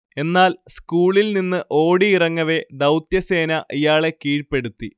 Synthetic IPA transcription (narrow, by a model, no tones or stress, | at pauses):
e̞nːaːlskuːɭilninːɨʔo̞ːɽiirɐŋːɐʋe̞d̪ɐwt̪jɐse̞ːnɐʔijaːɭe̞kiːɻpe̞ɽut̪ːi